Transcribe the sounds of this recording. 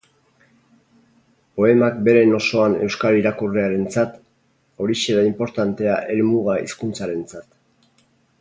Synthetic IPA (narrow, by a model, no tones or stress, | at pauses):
po̞e̞mak̚be̞ɾe̞no̞so̞ane̞wskaliɾakureaɾe̞nt͡sat̪ | o̞ɾiseɾaimpo̞ɾt̪ant̪e̞aʔe̞lmuɣaḭskunt͡saɾe̞nt͡sat̪